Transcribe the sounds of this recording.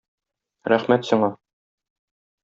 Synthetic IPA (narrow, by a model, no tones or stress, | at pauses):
ɾæχmæt̪sŏɴɑ